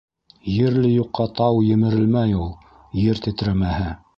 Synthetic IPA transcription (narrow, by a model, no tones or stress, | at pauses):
jɘ̆ɾlɘjuqːɑt̪ɑwjɘ̆mɘ̆ɾɘ̆lmæjulˠ | jɘɾt̪ɘ̆t̪ɾæmæhɘ